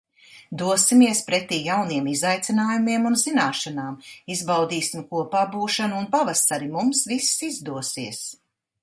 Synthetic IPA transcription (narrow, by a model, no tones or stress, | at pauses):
d̪uɔsimiɛspɾɛt̪iːjawniɛmizajt̪sinaːjumiɛmunzinaːʃanaːmizbawd̪iːsimkuɔpaːbuːʃanuːnpavast̪aɾimumsvissizd̪uɔsiɛs